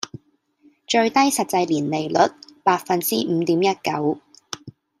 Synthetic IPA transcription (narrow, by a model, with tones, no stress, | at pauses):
t͡ʃɵ˧ɥt̪ɐ˥jsɐ˨t̚t͡sɐ˧jliː˨˩nle˨˩jlɵ˨˥t̚paː˧t̚fɐ˧nt͡siː˥m̩ː˨˧˦t̪iː˨˥mjɐ˥t̚kɐ˨˥w